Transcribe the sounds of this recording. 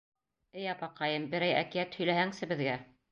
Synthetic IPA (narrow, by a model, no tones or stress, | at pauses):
ɘjɑpɑqɑjɤmbɘ̆ɾæjæ̰kijæt̪hɵ̆jlæhæŋsɘbɘ̆ðɡæ